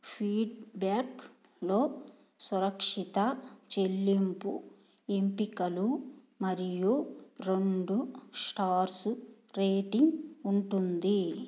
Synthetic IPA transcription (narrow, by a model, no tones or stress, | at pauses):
pʰiːɖbaːk | lo̞ː | suɾɐkʂit̪ɐt͡ʃe̞lːimpu | empikɐlu | mɐɾijuɾe̞ɳɖusʈaːɾsu | ɾeːʈiŋɡuɳʈund̪i